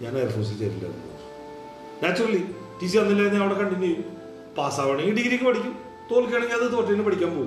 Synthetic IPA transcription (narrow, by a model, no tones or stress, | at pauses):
ɲaːnerɐfoːs̬it͡ɕɐɾilːɐ̰ːnːo̰ | naːt͡ɕːuɭːi | ʈis̬iɐnːilːaːinːɨɐʋɐɳekɐɳɖinːejum | paːsaːʋɐɳiŋɡiɖiɣɐɾikʲːupɐʈikʲːum | t̪oːlkeːɭɐɲaɐðɨt̪o̞ːʈːɐnɨpɐʈʰikʲːaːmpoː